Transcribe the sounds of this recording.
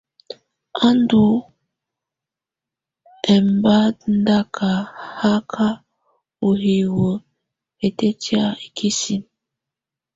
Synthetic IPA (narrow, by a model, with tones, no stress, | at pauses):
a˦ndu˨ | ɛ˨mba˦n˦da˦kʰa˨ha˦kʰa˦ | o˨ɦi˨wo˨ | e˨te˦ti˦a˦e˨kʰi˦si˦m